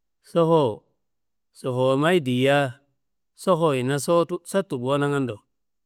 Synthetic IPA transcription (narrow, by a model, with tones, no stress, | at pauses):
so˦ho˦ | so˨ho˨ma˦i˦di˨ja˦ | so˦ho˨i˨na˦so˦sa˦tu˨bwo˦na˦ŋa˦ndo˨